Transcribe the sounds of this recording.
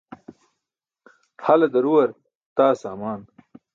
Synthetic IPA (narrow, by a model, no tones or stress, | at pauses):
hɐlɐd̪ɐɾuwɐɾ | t̪aːsaːmaːn